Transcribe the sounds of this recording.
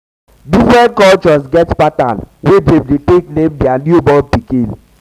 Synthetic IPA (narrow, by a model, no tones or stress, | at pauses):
difɾɛ̃nkɔlt͡ʃɔsɡɛtpata̰nwededeteknẽmdɛanjubɔlpikĩn